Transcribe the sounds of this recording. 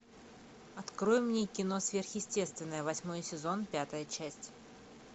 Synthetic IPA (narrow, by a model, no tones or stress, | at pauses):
ɐt̪kɾo̞jɪmnʲekʲɪno̞svʲerxjɪsʲtʲe̞st̪vʲɪnːəjəvɐsʲmo̞jəsʲɪzo̞npʲat̪əjət͡ɕæsʲtʲ